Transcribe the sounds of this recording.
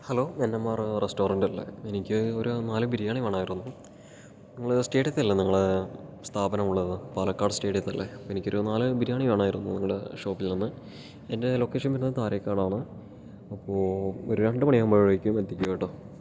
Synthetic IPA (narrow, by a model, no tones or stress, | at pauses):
hɐlo̞ːenːɐmːaːrɨresto̞ːrɐndɐlːḛenikʲːɨoɾunaːlɨbiɾijaːɳiʋeːɳaːjiɾunːu | niŋːɐɭɨsteːʈjɐt̪ːɐlːɐniŋːɐɭest̪ʰaːbɐnɐmuɭːɐðɨpaːlɐkːaːrɖɨste̞ːʈjɐt̪ːɐlːeɐenikʲːoɾunaːlɨbiɾijaːɳiʋeːɳaːjiɾunːuniŋːɐɭeʂo̞ːpːilninːɨ | ende̞lo̞ːkːe̞ːʂɐnpiɾnɐt̪aːɾekːaːɳaːɳɨ | ɐpːoːoɾuɾeɳɖɨpɐɳijɐmbɐɻɻɐikʲːumet̪ːikʲːuɐiʈːo